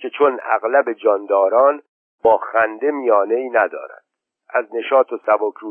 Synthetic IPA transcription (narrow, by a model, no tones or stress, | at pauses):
cʰe̞t͡ʃʰonæ̰ɣlæbe̞d͡ʒɒːnd̪ɒːɾɒːn | bɒːxænd̪e̞mijɒːne̞iːnæd̪ɒ̰ːɾæ̰nd̪̥ | æzne̞ʃɒːt̪ʰosæbokʰɾuː